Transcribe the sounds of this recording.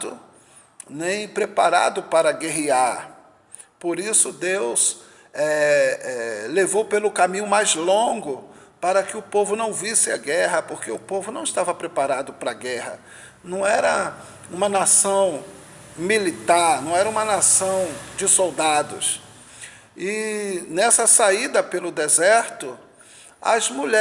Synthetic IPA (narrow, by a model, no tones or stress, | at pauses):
d̪ʊ̰ | nẽj̃pɾepaɾa̰d̪ʊpaɾɐɡeɦiaɾ | poɾisʊd̪ews | ɛɛlevowpelʊkamĩɲʊmajzlõɡʊpaɾɐkɪʊpovʊnɐ̃w̃visɪɐɡɛɦɐpoɾkeʊpovʊnɐ̃w̃ɪst̪avɐpɾepaɾad̪ʊpɾɐɡɛhɐ̰ | nɐ̃w̃ɛɾɐ | ũmɐnasɐ̃w̃ | milit̪aɾnɐ̃w̃ɛɾɐũmɐnasɐ̃w̃d͡ʒɪsowd̪ad̪ʊ̰s | ɪnɛsɐsaid̪ɐpelʊd̪ezɛɾt̪ʊ | ɐ̰zmuʎɛ